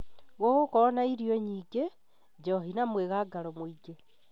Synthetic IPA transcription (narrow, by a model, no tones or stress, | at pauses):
ɣoɣokonaiɾioɲiɡe | d͡ʒoɦinamweɣaɡalomwiɡe